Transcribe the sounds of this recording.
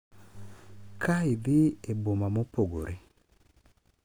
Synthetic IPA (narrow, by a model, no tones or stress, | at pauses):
kʰaiðiebomamopoɡo̰ɾʔe